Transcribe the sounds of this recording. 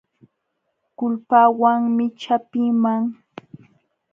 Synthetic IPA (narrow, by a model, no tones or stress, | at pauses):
kʊlpaːwaŋmɪt͡ʃapɪmaŋ